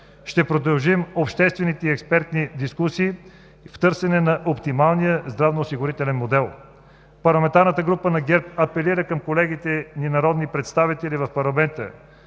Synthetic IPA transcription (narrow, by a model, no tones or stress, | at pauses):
ʃt̪ɛpɾod̪ɐlˠʒimopʃt̪ɛst̪vɛnit̪ɛiɛkspɛɾt̪nid̪iskusiː | ft̪ɤɾsɛnɛnɐʔopt̪imalˠnijəzd̪ɾavnoːsiɡʊɾit̪ɛlɛnmod̪ɛlˠ | pɐɾlˠɐmɛnt̪aɾnət̪əɡɾupənɐɡɛɾp̚ɐpɛliɾəkɐmkolɛɡit̪ɛninɐɾɔd̪nipɾɛt̪st̪avit̪ɛlivɐfpɐɾlˠɐmɛnt̪ə̰